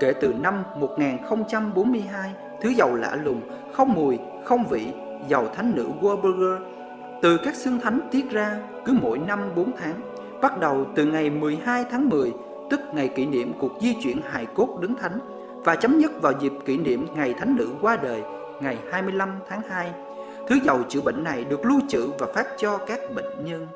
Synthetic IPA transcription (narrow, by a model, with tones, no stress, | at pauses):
ke˧˩t̪ɨ˨˩na˧mːo˨˩t̚ŋaː˨˩nxə˧wŋ͡mt͡ɕa˧mɓo˨˦nmɨ˧əjɦaː˧j | t̪ʰɨ˨˦zə˨˩wla̰ː˧˥lʊ˨˩ŋ͡m | xə˧wŋ͡mmɨ˨˩əj | xə˧wŋ͡mvḭ˧˨ | zə˨˩wt̪ʰa˨˦jŋ̟nɨ̰˧˥ɣwɓə˧ɣəː˧ | t̪ɨ˨˩kaː˦˥k̚sɨ˧əŋt̪ʰa˨˦jŋ̟t̪i˦˥ət̚zaː˧ | kɨ˨˦mo̰˧˥jna˧mɓo˨˦nt̪ʰaː˨˦ŋ | ɓa˦˥t̚ɗə˨˩wt̪ɨ˨˩ŋa˨˩jmɨ˨˩əjɦaː˧jt̪ʰaː˨˦ŋmɨ˨˩əj | t̪ɨ˦˥k̚ŋa˨˩jkḭ˧˨nḭ˧˨əmku˨˩ək̚zi˧t͡ɕwḭ˧˨ənha̰ː˧˨jku˦˥ək̚ɗɨ˨˦ŋt̪ʰa˨˦ŋ̟ | vaː˨˩t͡ɕə˨˦wŋ͡mɲə˦˥t̚vaː˨˩wzi˨˩p̚kḭ˧˩nḭ˧˨əmŋa˨˩jt̪ʰa˨˦jŋ̟nɨ̰˧˥kwaː˧ɗəː˨˩j | ŋa˨˩jhaː˧jmɨ˧əjla˧mt̪ʰaː˨˦ŋhaː˧j | t̪ʰɨ˨˦zə˨˩wt͡ɕɨ̰˧˩ɓḛ˧˨ŋ̟na˨˩jɗɨ˨˩ək̚lu˧t͡ɕɨ̰˧˨vaː˨˩faː˦˥t̚t͡ɕɔ˧kaː˦˥k̚ɓḛ˧˨ŋ̟ɲə˧n